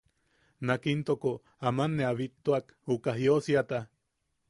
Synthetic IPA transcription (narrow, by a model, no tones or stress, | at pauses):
nakint̪oko | amanːeaβit̪ːoak | ukaɦjosiat̪a